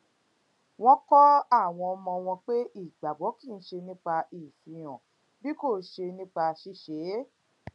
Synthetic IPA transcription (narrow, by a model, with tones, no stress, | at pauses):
w̃ɔ̃˦kɔ˦a˦˨w̃ɔ̃˧ɔ˧mɔ̃˧w̃ɔ̃˧k͡pe˦i˦˨ɡ͡ba˨ɡ͡bɔ˨˦ki˦˨n̩˦ʃe˧nĩ˦k͡pa˧ʔi˨fi˨j̃ɔ̃˨ | bi˦ko˦˨˦ʃe˧nĩ˦k͡pa˧ʃi˦ʃe˨˦